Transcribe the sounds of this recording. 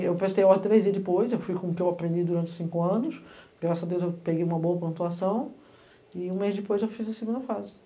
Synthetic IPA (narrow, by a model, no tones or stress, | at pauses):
ewpɾest̪ejaat̪ɾezd͡ʒiɐzd̪ɪpojzewfujkõʊkɪewapɾẽnd͡ʒ̪id̪uɾɐ̃nt͡ʃɪ̥sĩŋkʊɐ̃nʊsɡɡɾasɐad̪ewzewpeɡejũmɐboɐpõt̪uasɐ̃w̃ | ɪũmejzd̪ɪpojzewfizũɐseɡũnd̪ɐfazɪ